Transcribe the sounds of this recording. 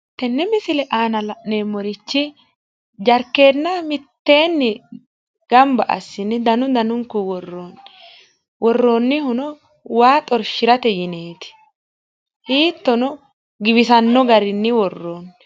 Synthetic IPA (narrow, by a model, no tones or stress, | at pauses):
t̪ɛnːɛmɪsɪlɛʔaːnɐlɐʔneːmːɔɾɪt͡ʃːɪ | d͡ʒɐɾkːe̞ːd̪nɐmɪt̪ːeːnːɪ | ɡ̥ɐmbɐʔɐ̰sːɪnːɪd̪ɐnʊd̪ɐnʊŋkːʊwɔrːoːn | wɔrːoːnːɪhʊnɔ | waːt̪ʼɔɾʃɪɾɐt̪ɛjɪneːt̪ɪ̥ | hiːt̪ːɔnɔ | ɡɪβɪsɐnːɔɡɐɾɪnːɪwɔrːoːn